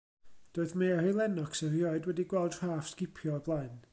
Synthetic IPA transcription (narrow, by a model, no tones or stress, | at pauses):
d̥oːɨðmearilˠɛnɔksɛrijɔɨdwɛdiɡwɛlˠd̥r̥aːfskɪpʰjɔblˠaɨn